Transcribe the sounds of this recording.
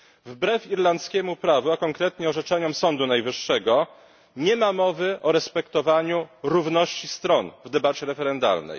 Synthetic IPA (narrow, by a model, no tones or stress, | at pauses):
vbɾɛfiɾlant̪skʲɛmupɾavuakɔŋkɾɛt̪ɲɛɔʐɛt͡ʂɛɲɔmsɔnd̪unajvɘʂːɛɡɔ | ɲɛmamɔvɘʔɔɾɛspɛkt̪ɔvaɲuɾuvnɔɕt͡ɕist̪ɾɔnvd̪ɛbat͡ɕɛɾɛfɛɾɛnd̪a̰lnɛ̰j